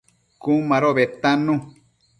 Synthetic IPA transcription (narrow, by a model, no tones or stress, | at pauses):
kũmãɾoβet̪ãnũ